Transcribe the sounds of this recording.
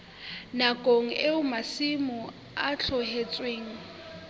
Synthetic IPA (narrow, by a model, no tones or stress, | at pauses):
nakʼoŋ̩ʔeʊmasimʊ | at͡ɬʰɔhet͡sʼweːŋ̩